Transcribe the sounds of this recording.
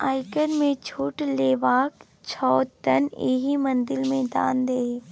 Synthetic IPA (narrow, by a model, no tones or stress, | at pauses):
aːɪkənmẽt͡ʃʰuːʈleːʋaːk | t͡ʃʰɔːt̪ənḛɦimə̃nd̪ɪlmẽd̪a̰ːnd̪eː